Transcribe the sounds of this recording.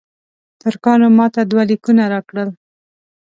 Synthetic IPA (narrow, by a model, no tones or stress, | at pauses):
t̪ʊɾkɑnomɑt̪ad̪walikunaɾɑkɽəl